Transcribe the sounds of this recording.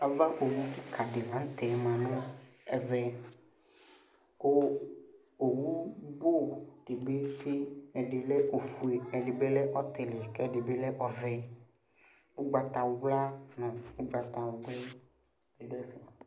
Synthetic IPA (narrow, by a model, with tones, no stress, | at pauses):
a˨va˦ʔo˨wu˦t̪i˦kʰa˨ɖe˨la˨˦n̩˦t̪ɛ˨mã˨nũ˦ɛ˦˨vɛ˦ | ko˦ | o˨wu˦bo˦ɖ̥e˨be˦fi˦ɛ˨ɖe˨lɛ˦ʔo˨fu˨e˨ɛ˨ɖe˨be˦lɛ˦ʔɔ˦t̪e˨le˨a˨kɛ˦ɖe˨be˦lɛ˦ʔɔ˨vɛ˦ | u˦ɡ͡ba˨t̪a˨wo˦ɡ͡bla˦nɔ̃˨o˦ɡ͡ba˨t̪a˨wo˨ɡ͡blɛ˦ | e˨ɖɛ˦fi˨a˨